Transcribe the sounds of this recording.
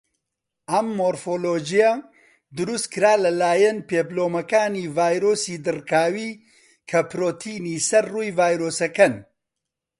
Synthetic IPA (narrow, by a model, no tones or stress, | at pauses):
ʔɐmːoːɾfoːloːd͡ʒijɐ | d̪ʊɾust̪kɨɾaːlɐlaːjɐnpeːbloːmɐkaːniːvaːjɾoːsiːd̪ɨrkaːwiː | kʰɐpɾoːt̪ʰiːniːsɐɾruːjvaːjɾoːsɐkɐn